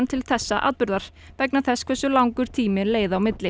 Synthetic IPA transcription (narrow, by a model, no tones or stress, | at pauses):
nt̪ʰɪlθɛsːa̰ʔa̰ːðpʏɾðaɾ̥ | pɛknaθɛskʰvɛsːʏlawŋkʏɾ̥t̪ʰiːmɪleːjðaːwmɪt̪lɪ